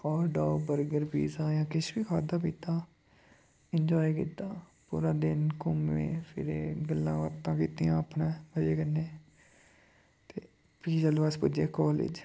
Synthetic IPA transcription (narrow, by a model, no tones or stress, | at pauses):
kɔːɾɖaːbəɾɡəɾpḭːzaːjãːkɪʃbiːkʰaːd̪aːpiːt̪aː | ɪɲd͡ʒɔːikḭːt̪aːpṵːɾaːd̪ɪnkʊmḛ̃ːpʰɪ̰ɾeːɡəlːãːʋəɾt̪ãːkiːt̪iːãːəpnẽːbəd͡ʒeːkənːeː | t̪eː | piːzalʋaːspʊd͡ʒeːkɔːlɪ̰d͡ʒ